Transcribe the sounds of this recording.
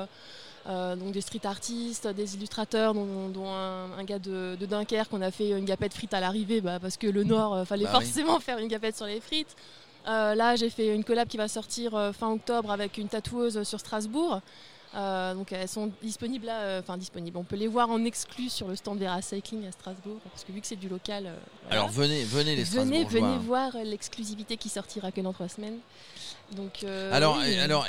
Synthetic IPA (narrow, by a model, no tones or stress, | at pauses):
ød̪ɔ̃k̚d̪est̪χit̪aʁt̪ist̪ød̪ezilyst̪χat̪œʁd̪ɔ̃d̪ɔ̃ɛ̃ɛ̃ɡad̪əd̪əd̪ɛ̃kʲɛʁkɔ̃nafɛynɡʲapɛt̪fχit̪alaʁivebapaʁsə̥kələnɔʁøfalɛfɔʁsemɑ̃fɛʁynɡapɛt̪syʁlefχit̪ | ølaʒefɛynkɔlab̚kʲivasɔʁt̪iʁøfɛ̃ɔk̚t̪ɔbʁavɛkʲynt̪at̪uøzsyʁst̪χazbuːʁ | ød̪ɔ̃kɛlsɔ̃d̪ispɔniblaøɑ̃fɛ̃d̪ispɔniblɔ̃pølevwaʁɑ̃nɛksklysyʁləst̪ɑ̃d̪vɛʁasajkliŋɡast̪χazbuʁpaʁskəvykə̥sɛd̪ylɔkalø̰vwa̰a̰lɔ̰ʁvənevənelesvənevəevwaʁlɛksklyzivit̪ekʲisɔʁt̪ʰiʁakɛd̪ɑ̃t̪χwasmɛn | d̪ɔ̃kʰøalɔʁalɔʁ